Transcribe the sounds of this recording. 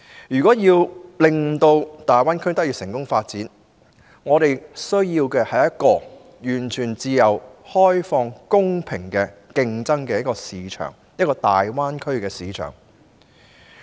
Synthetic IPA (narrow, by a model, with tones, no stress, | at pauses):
jyː˨kɔː˨˥jiː˧wlɪ˨ŋt̪o˧wt̪aː˨jwaː˥nkʰɵ˥ɥt̪ɐ˥k̚jiː˧sɪ˨˩ŋkʊ˥ŋfaː˧t̚t͡siː˨˥n | ŋɔː˨˧ɾe˨jsɵ˥ɥjiː˧wkɛː˧hɐ˨jɐ˥t̚kɔː˧ | jyː˨˩nt͡ʃʰyː˨˩nt͡siː˧jɐ˨˩whɔː˥jfɔː˧ŋkʊ˥ŋpʰɪ˨˩ŋkɛ˧kɪ˧ŋt͡sɐ˥ŋkɛː˧jɐ˥kːɔː˧siː˨˧t͡ʃʰœ̰ː˨˩ŋ | jɐ˥t̚kɔː˧t̪aː˨jwaː˥nkʰɵ˥ɥkɛː˧siː˨˧t͡ʃʰœ̰ː˨˩ŋ